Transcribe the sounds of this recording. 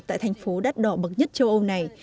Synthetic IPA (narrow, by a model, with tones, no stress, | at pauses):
t̪a̰ː˧˨jt̪ʰa˨˩jŋ̟fo˨˦ɗaː˦˥t̚ɗɔ˧˩ɓə˨˩t̚ɲə˦˥t̚t͡ɕə˧wʔə˧wna˨˩j